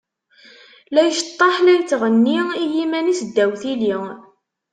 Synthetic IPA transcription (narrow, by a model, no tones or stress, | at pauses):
læjʃət̪ˤːɑħlæjt͡sːʁənːiiɦimænisəd̪ːæwθili